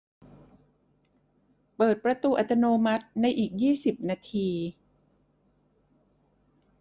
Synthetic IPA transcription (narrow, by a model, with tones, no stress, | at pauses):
pɤː˨˩t̪̚pɾa˧t̪uː˧ʔa˨˩t̪ːa˧noː˧ma˦˥t̪̚na˧jʔiː˨˩k̚jiː˥˩si˨˩p̚naː˧t̪ʰiː˧